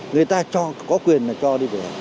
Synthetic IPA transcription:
ŋɨ˨ət̪aː˧t͡ɕɔ˧kɔ˨˦kwi˨˩ənːa˨˩t͡ɕɔː˧ɗi˧ʋe˨a˨

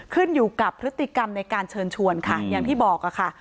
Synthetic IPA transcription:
kʰɯ˥˩njuː˨˩ka˨˩pʰɾɯ˦˥t̪ːi˨˩ka˧mna˧jkaː˧nt͡ɕʰɤː˧nt͡ɕʰu˧ənkʰa˥˩ja˨˩ŋt̪ʰiː˥˩bɔː˨˩k̚a˨˩kʰa˥˩

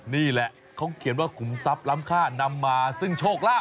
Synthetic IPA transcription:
niː˥˩lɛ˨˩ʔ | kʰa˦˥wkʰi˨˩˦ənwaː˥˩kʰu˨˩˦msa˦˥p̚la˦˥mkʰaː˥˩na˧mːaː˧sɯ˥˩ŋt͡ɕʰoː˥˩k̚laː˥˩

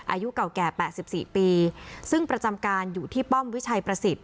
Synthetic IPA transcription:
ʔa̰ː˧ju˦˥ka˨˩wkɛː˨˩pɛː˨˩t̪̚si˨˩p̚siː˨˩piː˧sɯ˥˩ŋpɾa˧t͡ɕa˧mkaː˧njuː˨˩t̪ʰiː˥˩pɔ˥˩mwi˦˥t͡ɕʰa˧jpɾa˧si˨˩t̪̚

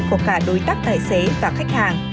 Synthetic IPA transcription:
kːkaː˧˩ɗo˨˦jt̪aː˦˥k̚t̪ʰaː˧˨˩jse˨˦vaː˨˩xa˦˥jk̚haː˨˩ŋ

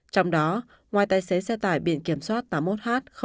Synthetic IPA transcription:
t͡ɕɔ˧wŋ͡mɗɔ˨˦ | ŋwaː˨˩jt̪aː˧˩jse˨˦sɛ˧t̪a̰ː˧˩jɓḭ˧ənki˧˩əmswaː˦˥t̚t̪aː˨˦mo˦˥t̚haː˦˥t̚xə˧

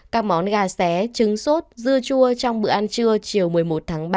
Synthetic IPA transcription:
kaː˦˥k̚mɔ˨˦nɣaː˨˩sɛ˨˦t͡ɕɨ˨˦ŋso˦˥t̚zɨ˧ət͡ɕu˧ət͡ɕɔ˧wŋ͡mɓɨ̰˧˩əʔa˧nt͡ɕɨ˧ət͡ɕi˨˩əwmɨ˨˩əjmo˨˩t̚t̪ʰaː˨˦ŋɓaː˧

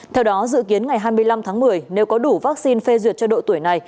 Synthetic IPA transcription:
t̪ʰɛ˧wɗɔ˨˦zɨ̰˧˨ki˨˦ənŋa˨˩jɦaː˧jmɨ˧əjla˧mt̪ʰaː˨˦ŋmɨ˨˩əjne˨˦wkɔ˨˦ɗu˧˩vaː˦˥k̚si˧nfe˧zwi˨˩ət̚t͡ɕɔ˧ɗo̰˧˨t̪u˧˩əjna˨˩j

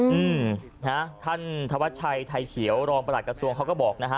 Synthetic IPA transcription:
ʔɯː˧m | na˦˥t̪ʰa˥˩nt̪ʰa˧wa˦˥t̪̚t͡ɕʰa˧jt̪ʰa˧jkʰi˩˦əwɾɔː˧ŋpɾa˧da˨˩kɾa˧su˧əŋkʰa˦˥wkɔː˥˩bɔː˨˩k̚na˦˥kʰa˦˥

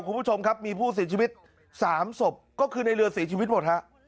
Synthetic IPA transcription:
kʰu˧npʰuː˥˩t͡ɕʰo˧mkʰa˦˥p̚miː˧pʰuː˥˩s̬i˨˩˦t͡ɕʰiː˧wi˦˥t̪̚ | saː˩˦mso˨˩p̚kɔː˥˩kʰɯː˧na˧jɾɯ˧ɐsi˩˦t͡ɕʰiː˧wi˦˥t̪̚mo˨˩t̚ha˦˥ʔ

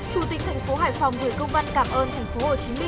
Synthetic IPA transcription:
t͡ɕu˧˩t̪ï˨˩k̟̚t̪ʰɛ˨˩jŋ̟fo˨˦ɦaː˧˩jfa˨˩wŋ͡mku˧˩kə˧wŋ͡mvə˧nkaː˧˩mʔəː˧nt̪ʰa˨˩jŋ̟fo˨˦ho˨˩t͡ɕi˨˦mï˧

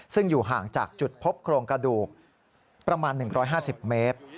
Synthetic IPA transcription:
sɯ˥˩ŋjuː˨˩ɦaː˨˩ŋt͡ɕaː˨˩k̚t͡ɕu˨˩t̪̚pʰo˦˥p̚kʰɾoː˧ŋkɾa˧duː˨˩k̚ | pɾa˧maː˧nːɯ˨˩ŋɾʔɔː˦˥jɦaː˥˩si˨˩p̚meː˦˥t̪̚

